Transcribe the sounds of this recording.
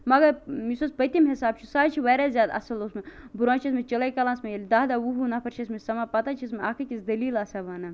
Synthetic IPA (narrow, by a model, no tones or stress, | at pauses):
mɐɡɐɾmisospɐt̪imɦisaːb̚t͡ʃʰusaːt͡ʃʰiʋɐːɾazʲjaːd̪ɐ̰sɐlosmebuɾãːt͡ʃʰɐs̬met͡ʃɐlɐjkɐlãːnsmejɐlʲd̪aːd̪aːwuɦunɐpʰɐɾt͡ʃʰɐsmesɐmapɐt̪at͡ʃʰis̬meaːkʰɐkʲisd̪ɐliːlɐsɐʋaːnɐ